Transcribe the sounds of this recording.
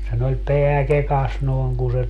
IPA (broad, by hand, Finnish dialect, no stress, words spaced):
sen olʲ peæ kekɑs noˑi̯ŋ ku se